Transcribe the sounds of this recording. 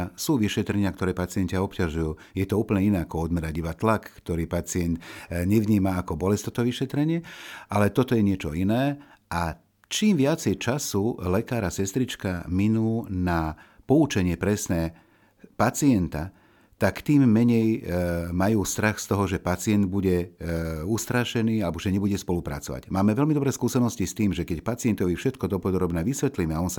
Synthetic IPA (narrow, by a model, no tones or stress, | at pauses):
suːʋiʃɛt̪ɾɛɲɪakt̪ɔɾɛːpat͡sɪɛncɪaɔpcaʒujuː | jɛt̪ɔuːpl̩ɲɛinɛːakɔɔd̪mɛɾaɟibat̪lakːt̪ɔɾiːpat͡sɪɛnd̪ɲɛʋɲiːmaakɔbɔlɛst̪ɔt̪ɔʋiʃɛt̪ɾɛɲɪɛʔalɛt̪ɔt̪ɔjɛɲɪɛt͡ʃɔ̰inɛː | ʔa | t͡ʃiːmʋɪat͡sɛjt͡ʃasulɛkaːɾasɛst̪ɾit͡ʃkaminuːna | pɔut͡ʃɛɲɪɛpɾɛsnɛː | pat͡siɛnt̪a | t̪akt̪iːmːɛɲɛjmajuːst̪ɾaxst̪ɔɦɔʒɛpat͡sɪɛnd̪̚buɟɛ | ust̪ɾaʃɛniːalɛbɔʒɛɲɛbuɟɛspɔlupɾa̰t͡sɔʋa̰ɟmaːmɛʋɛlmid̪ɔbɾɛːskuːsɛnɔscist̪iːmʒɛkɛcpat͡siɪɛnt̪ɔʋifʃɛt̪kɔd̪ɔpɔd̪ɾɔbnɛːʋisʋɛt̪limɛaɔnsa